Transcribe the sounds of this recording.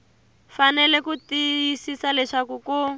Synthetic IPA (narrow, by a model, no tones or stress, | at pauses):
fanɛlɛkutijisisalɛʂakuku